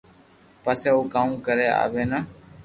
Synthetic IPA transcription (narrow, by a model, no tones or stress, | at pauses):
paːseːuːkãːũːkəɾeːa̰ːʋeːnaː